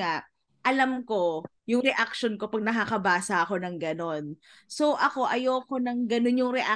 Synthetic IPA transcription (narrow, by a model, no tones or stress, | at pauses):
aʔ | ʔɐlamko̞ | jʊŋɾɛʔakʃonko̞pɐɡ̚nɐkakɐbaːsɐko̞nɐŋɡɐno̞n | so̞ʔɐko̞ʔɐjoːko̞nɐŋɡɐno̞njʊŋɾɛʔa